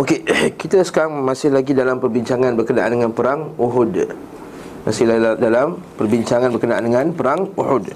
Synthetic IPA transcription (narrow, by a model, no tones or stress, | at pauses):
okekit̪asə̥kaɾaŋmãsɪhlaɡidalampərbiɲt͡ʃaŋãnbərkənaʔa̰ndəŋãnpəɾaŋuɦʊd | masɪhldalampərbiɲt͡ʃaŋãnbərkənaʔa̰ndəŋãnpəɾaŋuhʊd